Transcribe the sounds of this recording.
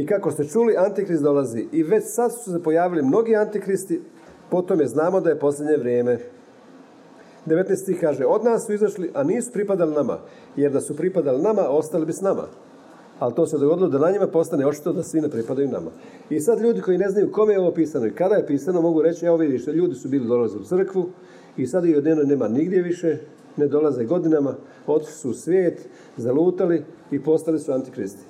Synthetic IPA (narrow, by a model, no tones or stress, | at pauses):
ikakost̪e̞t͡ʃuliʔant̪ikɾisd̪o̞lˠaziʔiʋe̞t͡ɕsad̪su̥se̞po̞jaːʋilimno̞ɡiant̪ikɾist̪i | po̞t̪omjeznaːmo̞d̪aje̞po̞slʎʲe̞d̪ɲe̞ʋɾjeːme̞ | d̪eʋe̞t̪nest̪ixkaːʒeo̞d̪naːsːuizaʃliʔaniːsu̥pɾipad̪alinama̰ | je̞ɾd̪asupɾipad̪alinamao̞st̪alibisnama̰ | alt̪o̞ːsed̪oɡo̞d̪ilo̞d̪anaɲimapo̞st̪aneo̞t͡ʃi̥t̪od̪asʋinepɾipad̪ajuna̰ma̰ | isad̪ʎuːd̪iko̞jine̞znajuko̞mejeo̞ʋo̞piːsano̞ikad̪aje̞piːsano̞mo̞ɡuɾe̞t͡ɕieoʋid̪iʃt̪eʎuːd̪isubiːlid̪o̞lazusr̩kʋu | isad̪iod̪nenojne̞ːmaniɡd̪ʲje̞ʋiʃe̞ | ne̞d̪o̞lazeɡo̞d̪inama | o̞t̪i̥ʃli̥suːsʋjeːt̪ | zaluːt̪aliː | po̞st̪alisuant̪ikɾist̪i̥